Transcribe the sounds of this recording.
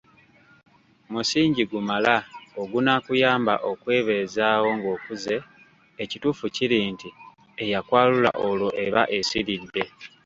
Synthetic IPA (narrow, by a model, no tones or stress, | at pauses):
musiːɲɟiɡumalaoɡunakujaːmba̰ʔo̞kwe̞ːβe̞ːzaːwo̞ŋɡo̞ːkuze̞ː | cituːfuciɾiːnti | ejakwaːlula̰ʔolo̞ʔe̞βaʔe̞siɾidːe̞